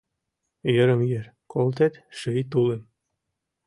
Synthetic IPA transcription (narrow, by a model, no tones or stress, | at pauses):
jə̆ɾə̆mjeɾ | kʰolt̪et̪ʃɘjt̪̬ulem